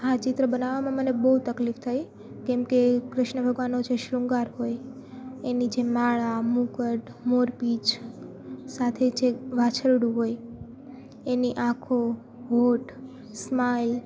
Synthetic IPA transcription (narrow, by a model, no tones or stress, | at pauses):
at͡ʃɪt̪ɾəbənaʋamãmənebəɦut̪əklift̪ʰaj | kɛmkekɾɪʃɳəbʱəɡʋanod͡ʒeʃɾũŋɡaɾɦoj | enid͡ʒemaɭamũkəʈ | moɾpit͡ʃ | sat̪ʰed͡ʒeʋat͡ʃʰəɾɽuɦoj | eniʔãkʰo | ɦoʈ | smail